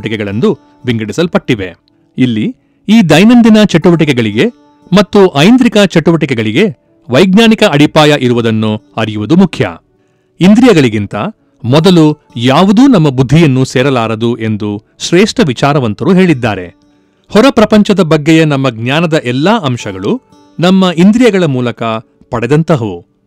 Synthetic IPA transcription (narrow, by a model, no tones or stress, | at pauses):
ʈikɛɡɐɭɐnd̪u | ʋiŋɡɐɽisɐlpɐʈːiʋḛ | ilːi | iːd̪ɐjnɐnd̪inɐt͡ʃeʈuʋɐʈ̬ikɛɡɐɭiɡe̞ | mɐt̪ːuʔɐjnd̪ɾikɐt͡ʃeʈuʋɐʈikɛɡɐɭiɡe̞ | ʋɐjɡɲaːnikɐɐɽipaːjɐʔiɾuʋɐd̪ɐnːuɐɾijuʋud̪umukʰjɐ̰ | ind̪ɾijɐɡɐɭiɡint̪ɐ | mɔd̪ɐlu | jaːʋud̪uːnɐmːɐbud̪ʱːijɐnːuseːɾɐlaːɾɐd̪uʔe̞nd̪u | ʃɾeːʂʈɐʋit͡ʃaːɾɐʋɐnt̪ɐɾuɦe̞ːɭid̪ːa̰ːɾe̞̰ | hɔɾɐpɾɐpɐɲt͡ʃɐd̪ɐbɐɡːejɐnɐmːɐɡɲaːnɐd̪ɐʔɛlːaːʔɐmʃɐɡɐɭu | nɐmːɐʔind̪ɾijɐɡɐɭɐmuːlɐkɐ | pɐɽɛd̪ɐnt̪ɐɦu